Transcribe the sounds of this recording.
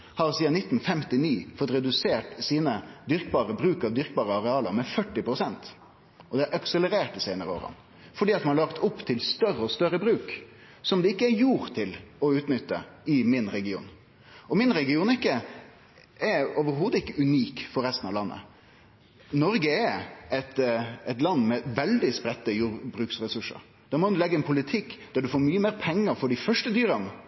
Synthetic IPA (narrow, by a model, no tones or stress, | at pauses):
hɑɾsiːɑnɪt̪ːn̩fɛmt̪ɪniːfɔt̪ɾɛd̪ʉseːʈsiːnəd̪ʏɾkbɑːɾəbɾʉːkɑʋd̪ʏɾkbɑːɾəɑɾɛɑːləɾmɛfœʈːɪpɾʊsɛnt̪ | ʔɔd̪ɛæɾɑksɛləɾeːʈ̪əseːnəɾəo̰ːɾə̰n | fɔɖiːɑt̪mɑnɑɭɑkt̪ʰʊpːt̪ʰɪlst̪œrɾːəɔst̪œɾəbɾʉːk | sɔmd̪ɛɪkːəæɾjuːɾt̪ʰɪlɔʉːt̪nʏt̪ːə̰ɪmɪnɾɛɡɪṵːn | ɔmɪnɾɛɡɪuːnɪkːə | ɛɾoːʋəɾɦuːd̪əɪkːəʉniːkfɔɾɛst̪ənɑʋlɑnːə̰ | nɔɾɡəɛɛt̪ɛt̪lɑnːmɛʋɛld̪ɪspɾɛt̪ːəjuːɾbɾʉːksɾɛsʉʂə̰ɾ | d̪̥ɑmɔd̪ʉlɛɡːəɛnpʰʊlɪt̪ʰɪkːd̪̥æɖʉfoːɾmyːəmeːɾpʰɛŋːəɾfɔɖɪfœʂʈəd̪yːɾənə